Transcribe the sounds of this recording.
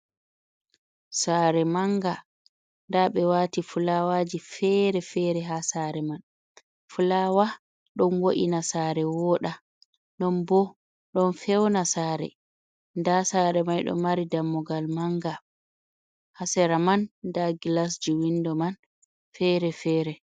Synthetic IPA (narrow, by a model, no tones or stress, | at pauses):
saːɾɛmaŋɡa | ndaɓɛwaːtifulawad͡ʒifɛɾɛfɛɾɛɦasaːɾɛman | fulawa | ɗɔnwoʔinasaːɾɛwɔɗa | nɔnbɔ | ɗɔnfɛwnasaːɾɛ̰ | ndasaːɾɛmajɗɔ̰maɾidamːɔɡalmaŋɡa | hasɛɾamandaɡilas̬d͡ʒiwindɔman | fɛːɾɛfɛːɾɛ